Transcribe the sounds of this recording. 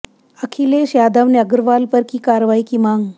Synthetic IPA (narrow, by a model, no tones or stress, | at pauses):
əkʰileɕjad̪əʋnəɡəɾʋalpəɾkiːkaɾʋaikimaŋɡ